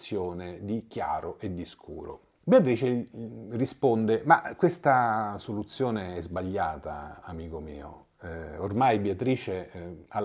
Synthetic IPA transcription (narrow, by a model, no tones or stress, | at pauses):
joːned̪ikja̰ːɾoʔed̪iskʰṵːɾo̰ | beat̪ɾiːt͡ʃerispond̪emakːwest̪asolut̪sːjoːneɛzbaʎːaːt̪a̰amiːkomḭːo̰ | ormajbeat̪ɾiːt͡ʃea